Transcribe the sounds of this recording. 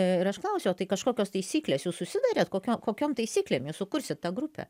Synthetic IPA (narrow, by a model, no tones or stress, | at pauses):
ɪɾɐʃklˠɐʊsʲot̪ɐɪkɐʃkoːkʲoːst̪ɐɪsʲiːklʲeːsjuːssʊsʲɪd̪ɑːɾʲeːt̪koːkʲoːkoːkʲoːmt̪ɐɪsʲiːklʲeːmjuːssʊkʊɾʲsʲɪt̪̚t̪ɑːɡɾʊpʲɛ̰